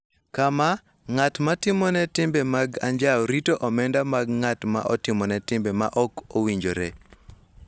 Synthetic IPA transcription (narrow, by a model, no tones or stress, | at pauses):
kama | ŋatmatɪmɔnɛtɪmbɛmaɡaɲd͡ʒaɾitoʔɔmɛndamaɡ̚ŋatma̰ʔɔtɪmɔnɛtɪmbɛma̰ʔɔkowiɲd͡ʒoɾɛ